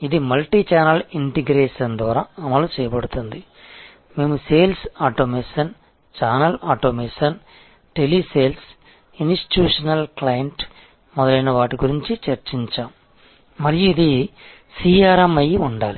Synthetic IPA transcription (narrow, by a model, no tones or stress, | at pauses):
id̪imɐlʈiːt͡ʃaːnɐliɳʈiɡɾeːʂɐnd̪ʋaːɾaɐmɐlut͡ʃɛːjɐbɐɽut̪und̪i | me̞ːmuse̞ːlsaːʈoːmeːʂɐn | t͡ʃaːnɐlaːʈoːmeːʂɐn | ʈeliseːls | insʈi̥ʈjuːʂɐnɐlklaːjɐɳʈ | mɔd̪ɐlɐjnɐʋaːʈiɡuɾiɲt͡ʃit͡ʃɐɾt͡ʃiɲt͡ʃaːmː | ɐɾijuid̪i | siːaːɾɐmːɐjiuɳɖaːli